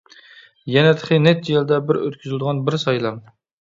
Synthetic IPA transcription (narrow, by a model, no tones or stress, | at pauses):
jɛnɛt̪ʰəqʰɨnɛt̪̚jelˠd̪ɛbɪɾø̰t̪̚kʲʰyzɪlɪd̪əʁɑnbɪɾsɑjlˠɑm